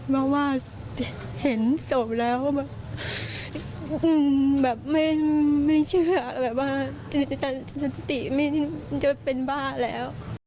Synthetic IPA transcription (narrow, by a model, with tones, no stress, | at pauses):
pʰɔ˧˩waː˧˩ | he˩˦nso˨˩˦mlɛː˦˥wkɔː˥˩bɛː˨˩p̚ | ʔɯː˧˩bɛː˨˩p̚ma˥˩jma˥˩jt͡ɕʰɯ˥˩˨ɐbɛː˨˩p̚waː˧˩˧ | t͡ɕa˧˩˧sa˨˧˦t̪i˨˩ma˥˩jʰt͡ɕa˧˩pe˧nbaː˥˩lɛ̰ː˦˥w